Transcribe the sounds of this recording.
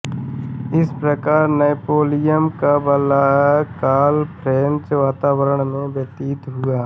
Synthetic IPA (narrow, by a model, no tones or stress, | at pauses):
ɪspɾəkaːɾnepoːlɪjəmkabəlaːjakaːlpʰɾeːnt͡ʃʋaːt̪aːwəɾəɳ̃mẽbjət̪iːt̪ɦʊaː